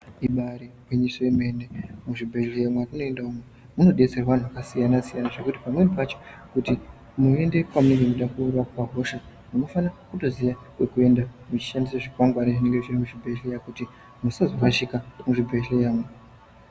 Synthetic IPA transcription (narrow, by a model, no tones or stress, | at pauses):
iɓaɾikweɲisojeme̞nemuʐibʱe̞ɮejamwarino̞e̞ndaumwe | muno̞ɗet͡seraʋan̤uʋakasijanasijanaʐe̞kutipamwe̞nipat͡ʃokuti | mue̞nde̞kwamune̞ŋɡe̞muɗakurapaɡʱo̞ʃa | muno̞fanakuto̞ziʋa | kwe̞kue̞ndamut͡ʃi̥ʃandisaʐikwaŋɡwaniʐine̞ŋɡe̞ʐirimuʐibʱe̞ɮejakuti | musazokaʃikamuʐibʱeejaːmwe